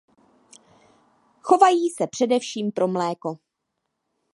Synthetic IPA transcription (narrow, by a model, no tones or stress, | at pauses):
xo̞vajiːsɛpr̥ɛdɛfʃiːmpɾo̞mlɛːko̞